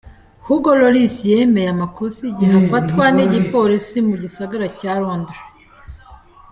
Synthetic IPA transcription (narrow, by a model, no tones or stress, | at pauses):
huɡoloɾisije̞mejamakosiɟiafatkwaniɟipo̞ɾisimuɟisaɡaɾacaɾoːndɾa